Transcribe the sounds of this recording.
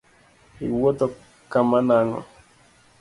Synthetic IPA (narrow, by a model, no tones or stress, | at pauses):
iwotɔ | kamanaŋɔ̰